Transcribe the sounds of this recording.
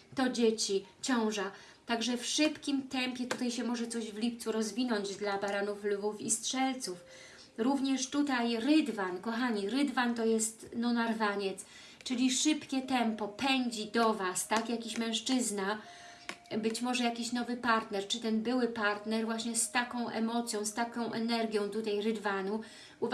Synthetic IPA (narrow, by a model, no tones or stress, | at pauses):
t̪ɔd͡ʑet͡ɕit͡ɕɔ̃w̃ʐa | t̪aɡʐɛfʂɘpkʲimt̪ɛmpʲjɛt̪ut̪ajɕɛmɔʐɛt̪sɔʑvlʲip̚t̪suɾɔzvʲinɔɲd͡ʑd̪labaɾanuflvufistʂɛlt̪suf | ɾuvɲɛʂt̪ut̪ajɾɘd̪vankɔxaɲiɾɘd̪vant̪ɔjɛst̪nɔnaɾvaɲɛt̪s | t͡ʂɘlʲiʂɘpkʲɛt̪ɛmpɔpɛɲd͡ʑid̪ɔvast̪akjakʲiɕmɛ̃ʂt͡ʂɘzna | bɘt͡ɕmɔʐɛjakʲiɕnɔvɘpaɾt̪nɛɾt͡ʂɘt̪ɛnbɘwɘpaɾt̪nɛɾvwaɕɲɛst̪akɔ̃w̃ʔɛmɔt̪sʲjɔ̃w̃st̪akɔ̃w̃ʔɛnɛɾɡʲjɔ̃w̃t̪ut̪ajɾɘd̪vanu | u